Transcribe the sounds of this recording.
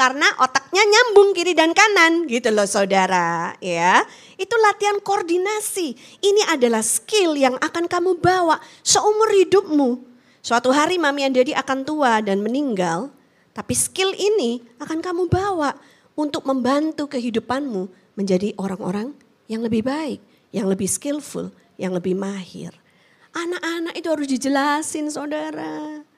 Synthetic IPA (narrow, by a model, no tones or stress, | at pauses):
karənaʔot̪ak̚ɲaɲambʊŋkiɾidankananɡit̪ulɔhsaudaɾaja | it̪ulat̪iankoːrdinasi | iniʔadalahskɪljaŋʔakankamubawaʔsəumʊrhidʊp̚mu | suat̪uɦaɾimamiand͡ʒadiʔakant̪uadanməniŋɡal | t̪apiskɪliniakankamubawaʔ | unt̪ʊk̚məmbant̪ukəɦidupanmu | məɲd͡ʒadiʔoɾaŋo̰ɾaŋ | jaŋləbɪhbaɪk̚ | jaŋləbɪhskɪlfʊ̰l | jaŋləbɪhmahɪ̰r | ʔanakanakit̪uɦaɾʊs̬did͡ʒəlasɪnsadaɾa